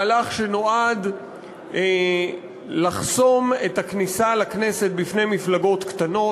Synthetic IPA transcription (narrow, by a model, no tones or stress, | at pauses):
laχʃeno̞ad̪ | laχso̞me̞taknisalakne̞se̞t̚bifne̞jmiflaɡo̞t̪kt̪ano